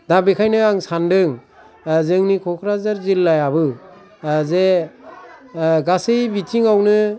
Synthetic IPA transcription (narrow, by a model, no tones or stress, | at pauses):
dabekʰajnɯaŋsandɯŋ | zɯŋnikʰɔkʰɾazaɾzilːajaβɯ | ze | ɡasɯjbitʰiŋawnɯ